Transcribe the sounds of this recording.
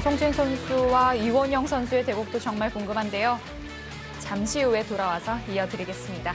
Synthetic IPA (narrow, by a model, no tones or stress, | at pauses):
sʰoŋt͡ɕʰiŋsʰonsʰuwaiwʌɲʌŋsʰʌnsʰue̞te̞ɡuk̚t͈ot͡ɕʌŋmaɭkoŋɡɯmɦande̞jo | t͡ɕamɕʰiue̞toɾawasʰʌijʌdɯɾiɡe̞s͈ɯmɲida